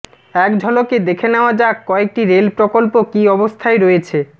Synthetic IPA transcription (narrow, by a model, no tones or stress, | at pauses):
ɛkd͡ʑʱɔloked̪ekʰeneoad͡ʑakkːɔek̚ʈiɾelpɾokolpokiɔbost̪ʰaeɾoet͡ɕʰe